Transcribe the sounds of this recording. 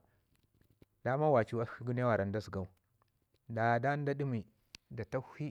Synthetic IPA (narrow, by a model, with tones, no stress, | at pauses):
d̥a˦ma˦wa˨t͡ʃi˦a˦xi˦ɡu˦n˦a˦wa˨ɾa˨n˦da˦si˨ɡa˦u˦˨ | da˨ja˨da˦n˦da˦di˦mi˨ | da˨ta˦hi˦